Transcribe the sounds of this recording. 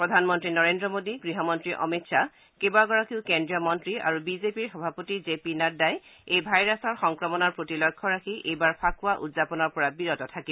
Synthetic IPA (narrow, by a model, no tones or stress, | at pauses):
pɹɔdʱanmɔntɹinɔɹendɹɔmodiɡɹiɦɔmɔntɹiʔɔ̰mitsa | kebaɡɔɹakiʊkendijɔmɔntɹia̰ɹubizepiɹxɔbʱapotizepinadajejbʱajɹasɔɹxɔŋkɹɔmɔnɔɹpɹotilɔkʰːɔɹakʰiʔejbaɹpʰakʊwaʔṵdzapɔnɔɹpɔɹabiɹɔtɔtʰaki